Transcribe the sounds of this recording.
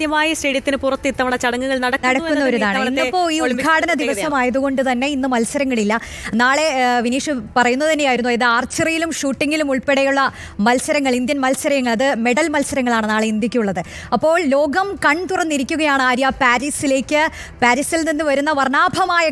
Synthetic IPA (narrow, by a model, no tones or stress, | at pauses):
d̪jɐmaːjɐsʈeɽjɐt̪ːinɨpurɐt̪ːit̪ːɐʋɐɳɽɐt͡ɕɐɽɐŋːuŋːɐɭnɐɽɐknɐɽɐːunːɐoɾuðaːɳɨinːɐpːo̞ːiːuɡʱaːɽɐnɐd̪iʋɐsɐmaːjɐðuɣo̞ɳɖɨt̪ɐnːe̞inːɨmɐlsɐɾɐŋːɐɭilːɐ | naːɭe̞ʋiniːʂɨpɐrɐjunːɐt̪ɐnːejaːjiɾunːuiðɨaːrt͡ɕːɐrijilumʂuːʈːiŋːilumuɭpeɽɐjuɭːɐ | mɐlsɐɾɐŋːɐɭind̪jɐnmɐlsɐɾɐŋːɐɭɐðɨme̞ɽɐlmɐlsɐɾɐŋːɐɭaːɳɨnaːɭe̞ind̪ikʲːijuɭːɐðɨ | ɐpːo̞ːɭlo̞ːɡɐmkɐɳt̪urɐnːiɾikʲːuɣɐjaːɳɨaːɾjapaːɾisile̞ːkʲːɨ | paːɾisilninːɨʋɐɾunːɐʋɐrnaːbʱɐmaːjɐ